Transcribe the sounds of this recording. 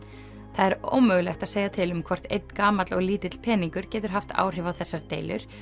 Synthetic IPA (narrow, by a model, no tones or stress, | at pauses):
θaðɛɾo̰wmœːɣlɛxt̪aðseːjɣat̪ʰɪlʏmkʰvɔr̥t̪ḛjt̪n̥kaːmat̪lɔɣliːt̪ɪt̪l̥pʰɛːniŋkʏɾ̥cɛːt̪ʏɾ̥ɦaft̪a̰ːwr̥ɪvaθɛsːaɾt̪eːjlʏ̰ɾ̥